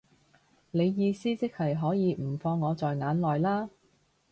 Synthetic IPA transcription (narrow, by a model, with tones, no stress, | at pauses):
ne˨˧jːiː˨˧siː˥t͡sɪ˥k̚hɐ˨jɦɔː˨˥jiː˨˧m̩˨˩fɔː˧ŋːɔː˨˧t͡sɔː˨jŋaː˨˥nlɔː˨jlaː˥